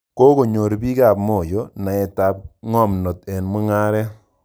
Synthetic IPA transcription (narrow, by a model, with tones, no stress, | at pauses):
ko˦ko˨ɲo˨ɾbi˦ka˨pmo˨jo˨˦na˨e˨ta˨p̚ŋɔ˦mno˨te˨nmi˦ŋa˦ɾɛ˦